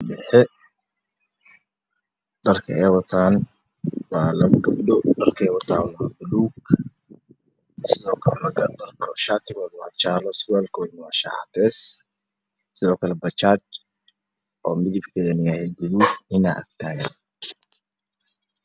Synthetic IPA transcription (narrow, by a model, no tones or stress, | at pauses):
dɛħɛ | ɖɐrkʰɐ̰ɛːwɐt̪ʰaːn | wɑːlɐɡɐbdɔɖɐrkʰɛːwɐt̪ʰaːnwaːbʊluːɡ | sɪðɔːkʰɐlɛlɐɡɐɖɐrkʰɔʃaːt̪ʰɪmɔðwɑ̰t͡ʃaːlɔsaːlkʰɔːdnwaːʃa̰t̪ʰɛːs | sɪðɔːkʰɐlɛbɐt͡ʃaːt͡ʃ | ʔɔːmɪðɪbkʰɛːðɐnɪjaːhɛɡʊðuhɪnɐʔɐ̰k̚t̪ʰaːɣɐn